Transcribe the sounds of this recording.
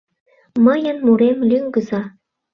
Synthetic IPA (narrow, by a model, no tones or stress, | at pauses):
məjənmuɾemlyŋɡə̆zɑ